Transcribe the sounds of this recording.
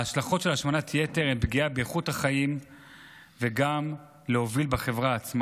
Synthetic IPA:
aʃlaχo̞tʃelaʃmanatʰje̞teʁembɡiabeeχuthaχaim | veɡam | leo̞vilbeχe̞vʁaːt͡sm

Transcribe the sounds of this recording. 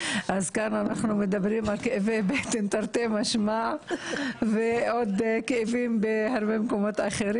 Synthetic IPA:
ʔazkananaχnumed̪abʁimalkeevebet̪ent̪aɾt̪emaʃma | veʔod̪keːvimbehaʁbemeko̞mot̪aχeɾi

